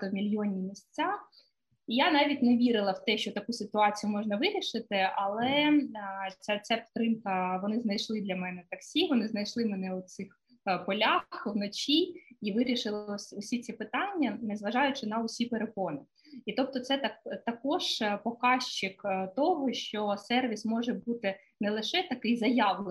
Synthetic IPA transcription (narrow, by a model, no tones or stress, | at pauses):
ɔmʲilʲjɔnʲimʲisʲt͡sʲa | ijanɑʋʲitʲneʋʲiɾɪlˠɐwt̪ɛʃt͡ʃɔt̪ɐkusʲɪt̪ʊɑt͡sʲijʊmɔʒnɐʋɪɾʲiʃɪt̪ɪɐlˠɛ | t͡sʲɛt͡sʲapʲi̥t̪ɾɪmkɐʋɔnɪznɐjʃlˠɪd̪lʲɐmɛnɛt̪ɐksʲiʋɔnɪznɐjʃlˠɪmenɛʊt̪sɪx | pɔlʲaxwnɔt͡ʃʲiiʋɪɾʲiʃɪlˠɔsʲʊsʲit͡sʲipɪt̪ɑnʲːɐnɛzʋɐʒɑjʊt͡ʃɪnɐɔsʲipeɾekɔnɪ | it̪ɔp̚t̪ɔt̪sɛt̪ɐkt̪ɐkɔʒ̥pɔkɑʃt͡ʃɪkt̪ɔɦɔʃt͡ʃɔsɛrʋʲismɔʒɛbut̪ɪ | nɛlˠɪʃɛt̪ɐkɪjzɐjɑʋlˠe